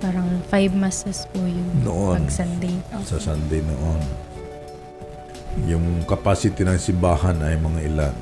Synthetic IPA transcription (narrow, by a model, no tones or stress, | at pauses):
paːɾɐŋfajbmasɛspʊjʊŋnoʔoɐnɡsɐnd̪ɪsasɐnd̪ɪno̰ʔon | jʊŋkɐpasɪt̪ɪnɐŋsɪmbaːhɐnɐjmɐŋaʔɪla̰n